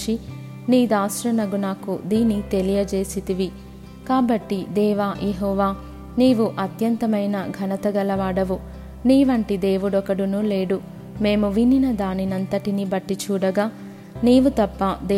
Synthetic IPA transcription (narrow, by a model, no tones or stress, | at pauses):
i | niːd̪aːsɾɐnɐɡunaːkud̪iːnːit̪e̞lijɐd͡ʒe̞ːsit̪iʋi | kaːbɐʈːid̪ɛːʋaːjeɦɔːʋaː | niːʋuʔɐt̪jɐnt̪ɐmɐjnɐɡʱɐnɐt̪ɐɡɐlɐʋaːɽɐʋu | niːʋɐɳʈid̪e̞ːʋuɽɔkɐɽunule̞ːɽu | me̞ːmuʋininɐd̪aːninɐnt̪ɐʈinibɐʈːit͡ʃuːɽɐɡaː | niːʋut̪ɐpːɐd̪e